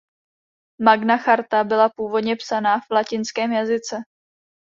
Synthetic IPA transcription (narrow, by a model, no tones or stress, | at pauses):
maɡnaxaɾt̪abɪlapuːvo̞dɲɛpsanaːfvlacɪnskɛːmjazɪt͡sɛ